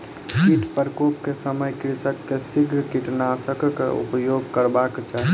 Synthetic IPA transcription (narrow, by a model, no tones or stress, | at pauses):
kiʈpəɾkop̚kesəməjkɾɪsəkːesiɡʱɾkiʈnasəkkeṵpjoɡkəɾbakt͡ʃaɦi